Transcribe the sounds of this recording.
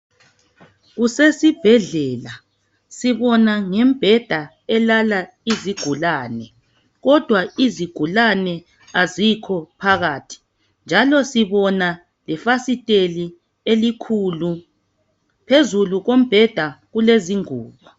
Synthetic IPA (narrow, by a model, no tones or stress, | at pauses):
ɣusesib̥ʱɛɮɛːla | siβɔnaŋɛm̩b̥ʱɛd̥ʱa | ɛlala | iziɡ̥ʱulaːnɛ | ɣɔd̥ʱwaiziɡ̥ʱulanɛ | azikʰɔpʰaɣaːtʰi̥ | nd͡ʒʱalɔsiβɔna | lɛfasitʼeli | elikʰulu | pʰezuluɣom̩b̥ʱɛd̥ʱaɣuleziŋuːβɔ